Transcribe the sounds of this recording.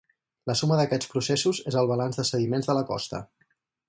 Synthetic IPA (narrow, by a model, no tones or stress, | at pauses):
ləsuməðəkɛt͡spɾusesuzezəlˠβəlanzðəsəðimenzðələkɔ̰st̪ə̰